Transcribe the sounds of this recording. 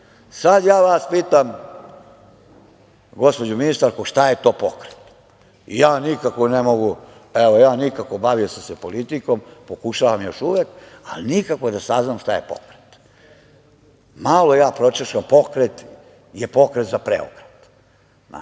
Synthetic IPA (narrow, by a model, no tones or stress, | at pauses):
sad̪jaːʋaspiːt̪am | ɡo̞spo̞d͡ʑuminist̪aɾkuʃt̪aje̞t̪o̞ːpo̞kɾet̪ | ḭjaːnikakonemoɡu | eʋojaːnikako̞baʋijosamsepolit̪iko̞mpo̞kuʃaːʋamjo̞ʃuʋeka̰linikakod̪asaznamʃt̪aje̞po̰kɾet̪ | malo̞jaːpɾo̞t͡ʃeʃampo̞kɾet̪ | jepo̞kɾet̪zapɾḛo̰kɾet̪ | na̰